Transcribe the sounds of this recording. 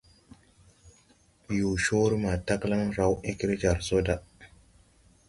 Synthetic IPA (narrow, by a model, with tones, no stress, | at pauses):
ju˨ʃo˦ɾma˨ta˦kla˦ŋɾa˨wʔi˦ki˦ɾd͡ʒa˨ɾso˦da˦